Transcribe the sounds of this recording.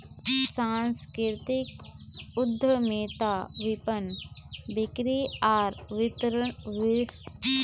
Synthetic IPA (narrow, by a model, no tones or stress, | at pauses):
sãnskɾɪɾt̪ɪk | ʊd̪ʱːəmeːt̪aʋɪpənbɪkɾiaːɾʋɪt̪ɾəɳʋɪ